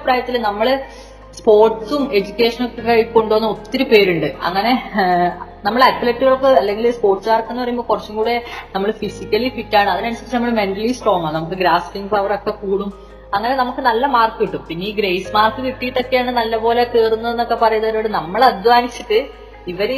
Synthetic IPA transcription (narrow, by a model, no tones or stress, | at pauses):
pɾaːjɐt̪ːilnɐmːɐɭ | spo̞ːrʈsume̞d͡ʑukʲːe̞ːʂɐnokːekɐɻkoɳɖoːnːuot̪ːiɾupe̞ːɾuɳɖɨɐ̰ŋːɐne̞ | nɐmːɐɭɐlpːeleʈːɨɣɐɭokːɨɐlːe̞ŋɡilspo̞ːrʈsmaːrkːenːpɐjumboːkurɐt͡ɕːumkuːɽe̞nɐmːɐɭfisikʲːɐlifitːaːɳɨɐðinɐɳt͡ɕːɐlːɨnɐmːɐɭme̞ɳʈɐlisʈro̞ːŋːaːɳnɐmukːɨɡɾaːskiŋɡpːɐʋɐro̞kːe̞kuːɽum | ɐŋːɐnenɐmukːɨnɐlːɐmaːrkɨʋiʈːumpinːeiːɡɾejsmaːrkːɨʋiʈːijiʈːo̞kːe̞jaːɳɨnɐlːɐpo̞ːlekeːrunːɐðe̞nːo̞kːe̞pɐrɐjunːɐɾoːɽɨnɐmːɐɭɐd̪ʋaːnit͡ɕːɐʈːɨ | iʋɐɾe